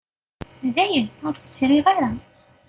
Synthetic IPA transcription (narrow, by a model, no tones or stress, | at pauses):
ðæjənʊɾθə̥sɾiʁaɾa